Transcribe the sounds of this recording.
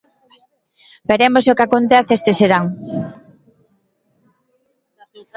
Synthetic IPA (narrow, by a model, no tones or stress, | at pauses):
beɾemosokakont̪eθest̪eseɾaŋ